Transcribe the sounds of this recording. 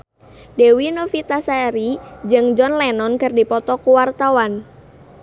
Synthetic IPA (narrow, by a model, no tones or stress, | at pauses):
dewinofit̪asaɾid͡ʒɨŋd͡ʒɔnlɛnɔnkɨrdipɔt̪ɔkuwart̪awan